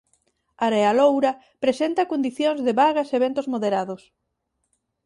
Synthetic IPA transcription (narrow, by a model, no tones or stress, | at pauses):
aɾealowɾɐ | pɾesent̪ɐkond̪iθjoŋzðeβaɣɐseβent̪ʊzmoðeɾaðʊs